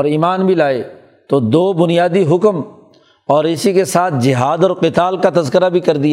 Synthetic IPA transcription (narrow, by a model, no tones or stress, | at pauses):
ɔːɾiːmaːnbʱilaːe | t̪od̪oːbʊnijaːd̪iɦʊkm | ɔːɾɪsikesaːt̪̚ʰd͡ʒɪɦaːd̪ɔːɾqɪt̪aːlkat̪ɐzkəɾabʱikɐɾd̪ija